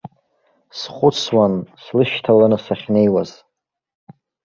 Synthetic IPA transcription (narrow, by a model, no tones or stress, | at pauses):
sχʷʊt͡sʰwanslɨʃtʰalanɨsaχʲnejwaz̥